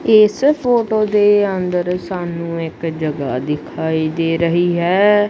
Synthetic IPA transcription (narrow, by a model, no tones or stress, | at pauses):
ɪspʰoːʈoːd̪eːənd̪əɾsaːnũːɪkd͡ʒəɡaːd̪ɪkʰaːiːd̪eːɾəɦiːɦɛː